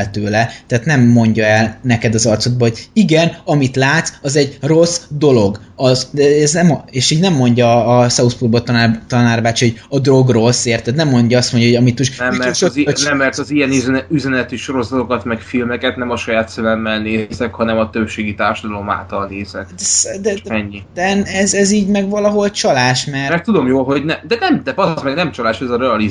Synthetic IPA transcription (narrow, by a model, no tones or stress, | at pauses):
t̪øːlɛt̪ɛːt̪nɛmːo̞ɲɟɒɛlnɛkɛd̪ɒzɒrt̪so̞d̪̚bɒɦo̞ɟiɡɛnɒmit̪laːt̪sɒzɛɟro̞sd̪o̞lo̞ɡ | ɒzd̪ɛɛznɛmeːʃiːɟnɛmːo̞ɲɟɒːsɒuspurbot̪nt̪ɒnaːrbaːt͡ʃiho̞ɟɒd̪ro̞ɡro̞seːrt̪ːɛt̪nɛmːo̞ɲɟɒɒst̪mo̞ɲɟjɒɦoɒmit̪moʃnɛmːɛt͡ʃozinɛmːɛrt̪ɒzijɛnyzɛnɛyzɛnɛt̪yʃo̞ɾo̞zɒt̪o̞kɒt̪mɛkfilmɛkɛt̪nɛmɒʃɒjaːt̪sɛlɛmːɛlneːzɛkhɒnɛmɒt̪øbʃeːɡit̪aːrʃɒd̪ɒlo̞ma̰ːlt̪ɒlneːzɛkd̪ɛsd̪ɛɛɲːid̪ɛnɛzɛziːɟmɛɡvɒlɒɦo̞lt͡ʃɒlaːʃmɛrmɛrt̪ːud̪omjoːlɦo̞ɟnɛmd̪ɛnɛmd̪ɛɒzmɛɡnɛmt͡ʃɒlaːʃɛzɒɾɛɒliz